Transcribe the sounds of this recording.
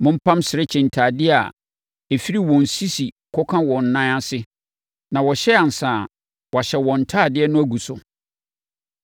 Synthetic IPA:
mʊ̃˦m̩˦pʰã˦msɪ˨ɾɪ˦t͡ɕʰɪ̃˨n̩˨tʰaː˨dɪ˦a̰˨ | e˨fi˦ɾi˦wɔ̃˨n̩˨si˦si˨ | kʰɔ˦kʰã˦wɔ̃˨n̩˨nːã˦ã˦sɪ˦ | nã˨wɔ˨ɕɛ˦a˨n̩˨sã˨ | wɔ˨ɕɛ˨wɔ̃˨n̩˨tʰaː˦˨dɪ˦ɛ˦nʊ̃˦æ˦ɡu˨sʊ˨

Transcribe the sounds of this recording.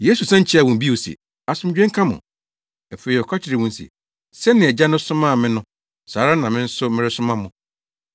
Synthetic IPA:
je˦su˨sɛ̃˦ɲ̩˦t͡ɕʰɛ˦a˨wʊ̃˨m˨bi˦o˨sḭ˨ | a˨sʊ̃˦md͡ʑᶣɛ̃˦ŋ̩˦kʰã˦mʊ̰̃˨ | ɛ˨fe˨ɾi˨ɔ˨kʰa˦t͡ɕʰɪ˨ɾi˨wʊ̃˦n˦sḭ˨ | sɛ˦nɪ̃˨ɛ˨d͡ʑa˦nʊ̃˦sʊ̃˦mã˦˨mɪ̃˦nʊ̃˦ | saː˨˦ɾa˦nã˨mɪ̃˦n̩˦sʊ˦mɪ̃˦ɾɪ˦sʊ̃˦mã˦mʊ̃˨

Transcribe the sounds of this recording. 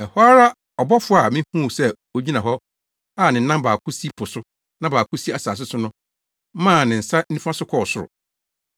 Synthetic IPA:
ɛ˨hɔ˦a˦ɾa˦ | ɔ˨bɔ˦fʊ˦a˨mɪ̃˦hũ˦˨sɛ˦ | o˦d͡ʑi˦nã˨ɦɔ˦ | a˦˨nɪ̃˨n̩˦nã˦mbaː˨kʰʊ˦si˦pʰʊ˨sʊ˦ | nã˦baː˨kʊ˦si˦a˨saː˨s̬ɪ˦sʊ˦nʊ̃˦ | mãː˦˨nɪ̃˨n̩˨sa˦n̩˦ĩ˦fã˦sʊ˦kʰɔ˦˨sʊ˦˨ɾʊ̰˨

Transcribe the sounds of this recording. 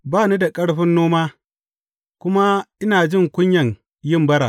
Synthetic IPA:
baː˦˨ni˦da˨kʼɐ˦ɽɸɪ˦nːoː˦maː˦ | kʷʊ˦ma˦ʔɪ˦naː˨d͡ʒɪ˦˨ŋkʷʊ˦ɲjɐ˨ŋ | jɪ˦mbɐ˦ɾa̰ː˨

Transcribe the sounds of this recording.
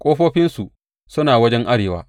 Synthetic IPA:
kʷʼoː˦ɸoː˦ɸɪ˦nsu˨ | sʊ˦naː˨wɐ˦d͡ʒɛ˦ŋʔa˦ɽeː˨waː˦

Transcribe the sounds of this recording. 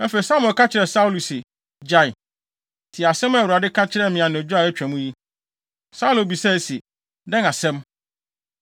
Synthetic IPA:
ɛ˦fe˨i˨sa˦mɛ̃˨kʰa˦t͡ɕʰɪ˨ɾɛ˨sa˦u˦lu˨sɪ˨ | d͡ʑa˦˨ | tʰɪ˨a˨sɛ̃˦mɛ˦˨u˨ɾa˨dɪ˦kʰa˦t͡ɕʰɪ˦ɾɛ˦mɪ̃˨ã˨nʊ̃˨d͡ʑᶣʊ˦a˨ɛ˦t͡ɕᶣæ̃˨mũ˦ji˦ | sa˦u˦lʊ˨bi˨sɛ˦˨si˨ | dɛ̃˦na˨sɛ̃˦m

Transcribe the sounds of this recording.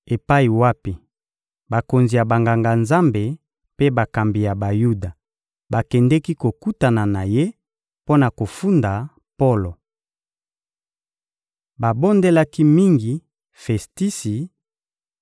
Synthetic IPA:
e˨pa˦i˨wa˦pi˨ | ba˨ko˨nzi˨ja˨ba˨ŋɡa˨ŋɡa˨nza˦mbe˨ | pe˦ba˨ka˨mbi˨ja˨ba˨ju˦da˨ | ba˨kɛ˨ndɛ˦ki˦ko˨ku˦ta˨na˨na˨je˦ | po˦na˨ko˨fu˦nda˨ | po˦lo˨ | ba˨bo˦nde˦la˦ki˦mi˦ŋɡi˨ | fɛ˨sti˦si˨

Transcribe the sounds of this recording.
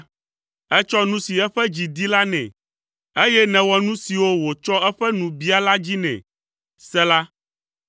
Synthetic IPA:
ɛ˦t͡ʃɔ˦nũ˦si˨ɛ˦ɸɛ˦d͡ʑi˨d̪i˦la˦nɛ̰̃˨ | e˦jɛ˦nɛ̃˨wɔ˨nũ˦si˨wo˦wo˨t͡ʃɔ˦ɛ˦ɸɛ˦nũ˨bi˦a˨la˦d͡ʑi˦nɛ̰̃˨ | sɛ˦la˦

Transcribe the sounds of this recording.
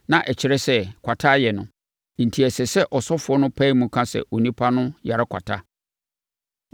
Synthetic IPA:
nã˨ʔɛ˨t͡ɕʰɪ˨ɾɛ˦sɛ˦kʷʰa˨tʰaː˦jɛ˨nʊ̰̃˨ | n̩˨tʰi˨ɛ˨sɛ˨sɛ˦ʔɔ˨sɔ˦fʊ˨˦ɔ˦nʊ̃˦pʰɛ˦i˦mũ˨kʰã˦sɛ̰˨ʔo˨nĩ˦pʰa˦nʊ̃˦ja˨ɾa˦kʷʰa̰˨tʰa˦

